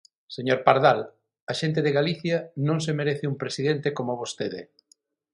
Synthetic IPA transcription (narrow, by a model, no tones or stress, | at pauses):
seɲoɾpaɾðal | aʃent̪̬eðeɣaliθjɐnõŋsemeɾeθɪumpɾesiðent̪ekomoβost̪eðɪ̰